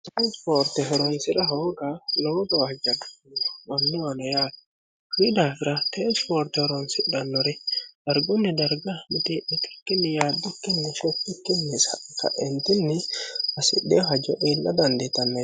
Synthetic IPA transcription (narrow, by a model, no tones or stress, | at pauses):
t̪ɛt͡ʃpoːɾt̪ɛɦɛɾɔnsɪɾɐɦoːɡɐloːɡɐwɐd͡ʒɐɡɐnːwɔnːɔwɐnɔjaːt̪ | fiːd̪aːfɪɾɐt̪et͡ʃpoːɾt̪ɛhɛɾɔnsɪɗɐnːɔɾɛd̪̥ɐɾɡʊnːɪd̪ɐɾɡɐmɪt̪eʔɪt̪ɪ̥kːɪnːɪjaːd̪ːʊkːɪnːɪʃɔkːɪkːɪnːɪsɐkɐ̰ʔɛnt̪ɪnːɪɐsɪɗːɛɦɐd͡ʒɔʔeːlːʔɐd̪ɐnd̪et̪ɐnːe